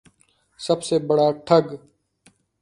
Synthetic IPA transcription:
səbseːbəɽaːʈʰəɡ

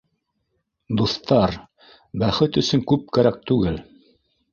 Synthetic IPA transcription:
d̪uθt̪ɑɾ | bæχɘt̪ɵ̆sɵŋkʉp̚kæɾæk̚t̪ʉɡɘl

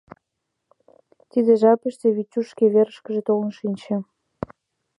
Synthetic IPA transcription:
t̪id̪eʒɑpə̆ʃt̪eβit͡ɕːuʃkeβeɾə̆ʃkə̆ʒĕt̪olnʃinʲt͡ɕĕ

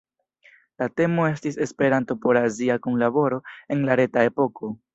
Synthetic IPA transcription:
late̞mo̞e̞stise̞spe̞ɾanto̞po̞ɾaziakunlabo̞ɾo̞e̞nlaɾe̞tae̞po̞kʰo̞

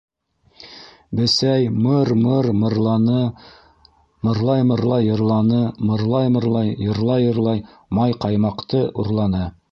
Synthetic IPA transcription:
bɘ̆sæjmɤɾmɤɾmɤɾˠɑnɤ | mɤ̆ɾlˠɑjmɤ̆ɾlˠɑjɤ̆ɾlˠɑnɤmɤ̆ɾlˠɑjmɤ̆ɾlˠɑjːɤ̆ɾlˠɑjɤ̆ɾlˠɑj | mɑjqɑjmɑqt̪ɤʔuɾlˠɑnɤ

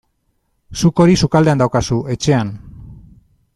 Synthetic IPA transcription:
suko̞ɾisukald̪eand̪awkasue̞t͡ʃe̞an

